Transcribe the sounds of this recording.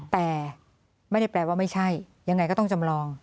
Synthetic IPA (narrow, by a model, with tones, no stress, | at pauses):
t̪ɛː˨˩ | ma˥˩jda˥˩plɛː˧˩waː˥˩ma˥˩jt͡ɕʰa˥˩j | ja˧ŋːa˧jkɔː˥˩t̪ɔ˥˩ŋt͡ɕa˧mɾɔː˧ŋ